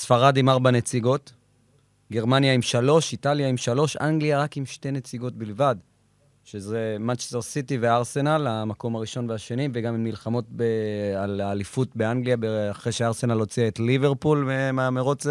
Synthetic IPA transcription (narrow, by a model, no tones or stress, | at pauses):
sfaʁadimaʁbanet͡siɡo̞t | ɡe̞ʁmanjaimʃalo̞ʃitaljaimʃalo̞ʃaŋɡliaʁakimʃte̞ne̞t͡siɡo̞tbilvad̪ | ʃezemat͡ʃe̥steʁsitiveaʁse̞nalamako̞maʁiʃo̞nveaʃenimveɡamimːilχamo̞t̚bealaːlifutbeaŋɡlijabeaχʁejʃeaʁse̞nalo̞t͡siaetlive̞ʁpulemameʁot͡s